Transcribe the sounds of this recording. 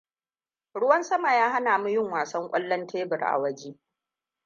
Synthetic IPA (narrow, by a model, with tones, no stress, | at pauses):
ɽʊ˦wɐ˦nsɐ˦ma˨jaː˦ɦa˦naː˨mu˦jɪ˦ŋwaː˨sɐ˦ŋkʷʼɐ̰˦lːɐ˦ntʰeː˦bɪ˨rʔa̰˨wɐ˦d͡ʒeː˦